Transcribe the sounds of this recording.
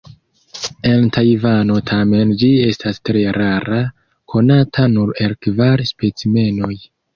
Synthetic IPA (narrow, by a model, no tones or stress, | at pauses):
e̞ntʰajvano̞tʰame̞nd͡ʒie̞stastɾe̞ɾaɾa | kʰo̞natʰanuɾelkvaɾspet͡sime̞no̞j